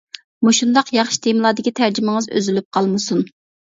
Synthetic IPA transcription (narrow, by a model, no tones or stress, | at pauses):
muʃund̪ɑqjɑχʃd̪ʰemlˠɑːd̪ɪkʲit̪ʰæɾd͡ʒymɪŋɨzø̰zylyp̚qʰɑlˠmɨsun